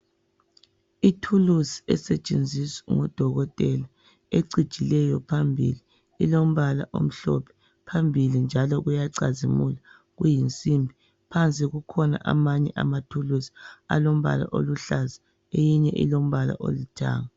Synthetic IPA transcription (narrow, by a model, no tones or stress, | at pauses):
itʰulusi̥ɛsɛt͡ʃʼend͡zʱisiŋɔd̥ʱɔɣɔtʼɛla | eǀid̥ʒ̥ʱilɛjɔpʰambʱili | ilom̩βala̰ʔom̩ɬɔ̰pʰɛ̥ | pʰambʱilind͡ʒʱalɔɣujaǀazimula | ɣujint͡sʼimbʱi | pʰant͡sʼiɣukʰɔna̰ʔa̰maɲɛʔa̰matʰulusi̥a̰lom̩βa̰la̰ʔo̰luɬaza | ejiɲɛʔḭlom̩βala̰ʔo̰lutʰa̰ːŋa